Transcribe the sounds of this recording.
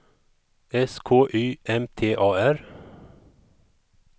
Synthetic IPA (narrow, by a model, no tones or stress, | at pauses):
ɛskʰoːʔyːʔɛmt̪ʰeːʔɑːæɾ